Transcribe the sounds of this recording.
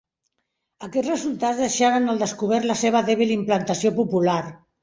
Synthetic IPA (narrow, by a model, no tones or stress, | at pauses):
əkɛd͡zrəzulˠt̪ad͡zzðəʃaɾənəlˠd̪əskuβ̞ɛɾləseβ̞əðɛβ̞ilimplənt̪əsiopupulaɾ